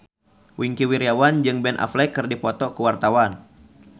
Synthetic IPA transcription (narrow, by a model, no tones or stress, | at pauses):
wiŋkiwiɾiawand͡ʒɨŋbɛnʔa̰flɛkɨrdipɔt̪ɔkəwart̪awan